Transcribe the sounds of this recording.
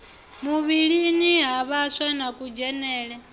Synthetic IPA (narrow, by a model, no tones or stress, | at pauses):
muβiɺiniɦaβasanakʼud͡ʒɛnɛːɺɛ